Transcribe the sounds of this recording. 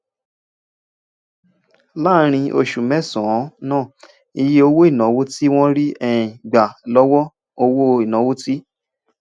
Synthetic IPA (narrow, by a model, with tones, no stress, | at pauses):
la˦ɾ̃ĩ˧ʔo˧ʃu˨mɛ˦˨sɔ̃˨˦nãː˦˨ | i˧je˧o˧wo˦i˦˨nɔ̃˨˦wo˦ti˦w̃ɔ̃˦ɾi˦ɛ˦ĩ˨ɡ͡ba˨lɔ˦wɔ˦ | o˧wo˦i˨nɔ̃˨˦wo˦ti˦